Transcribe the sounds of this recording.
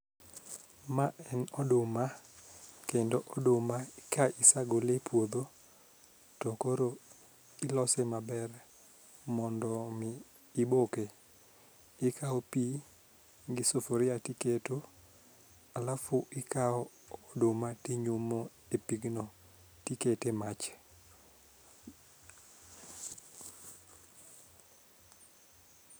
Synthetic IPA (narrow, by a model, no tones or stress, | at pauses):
maʔɛnɔdʊma | kendoʔɔdʊmaɪkaʔɪsaɡolepwod̪o | tɔkoɾo | ɪlɔsɛmabɛr | mɔndɔmɪː | boke | ɪkʰaɔpi | ɡɪsofoɾɪatiketo | alafuʔɪkaɔː | domatiɲumo | epiɡno | tiketemat͡ʃ